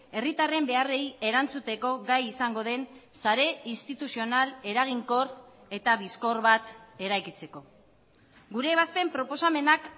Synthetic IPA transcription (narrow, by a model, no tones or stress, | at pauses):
e̞rit̪are̞mbe̞are̞je̞ɾant͡sut̪e̞ko̞ɣajisaŋɡo̞ð̞e̞nsaɾe̞inst̪it̪usio̞nale̞ɾaɣ̞iŋko̞r | e̞t̪aβisko̞rβat̪e̞ɾajkit͡se̞ko̞ | ɡuɾe̞ːβaspe̞mpɾo̞po̞same̞nak